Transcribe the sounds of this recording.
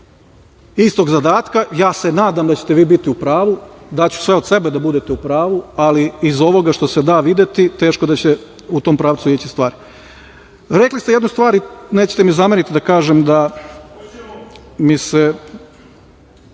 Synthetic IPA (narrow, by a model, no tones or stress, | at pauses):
ist̪o̞ɡzad̪aːt̪kajaːsenaːd̪amd̪at͡ɕet̪eʋiːbit̪iupɾaːʋud̪at͡ɕu̥sʋe̞od̪se̞bed̪abud̪et̪eupɾaːʋualiizo̞ʋo̞ɡaʃt̪osed̪aːʋid̪jet̪it̪e̞ːʃkod̪at͡ɕe | ut̪o̞ːmpɾaːʋt̪suijet͡ɕist̪ʋaːɾi | ɾeklist̪ejed̪nust̪ʋaːɾineːt͡ɕe̥t̪emizamenit̪id̪akaːʒemd̪a | mise